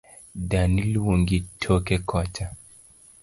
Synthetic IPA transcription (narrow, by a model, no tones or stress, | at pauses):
danilwoŋɡitʰɔkɛkɔt͡ʃa